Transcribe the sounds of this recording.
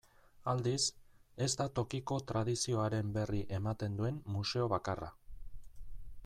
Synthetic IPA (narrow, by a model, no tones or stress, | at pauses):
ald̪ise̞zt̪at̪o̞kiko̞t̪ɾað̞isio̞aɾe̞mbe̞riʔe̞mat̪e̞nd̪ue̞mːuse̞o̞β̞akara̰